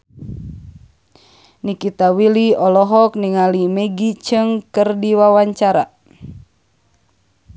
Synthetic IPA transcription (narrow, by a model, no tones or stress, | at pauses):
nikit̪awiliɔlɔɦɔk̚niŋalimeɡit͡ʃɨŋkɨrdiwawaɲt͡ʃaɾa